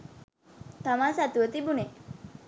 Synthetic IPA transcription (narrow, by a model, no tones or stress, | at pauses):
t̪amasat̪uət̪ibune